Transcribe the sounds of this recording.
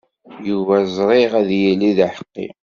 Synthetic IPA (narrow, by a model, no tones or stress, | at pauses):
juvæzˤɾˤɪʁæðjæliðaħə̥qːḭ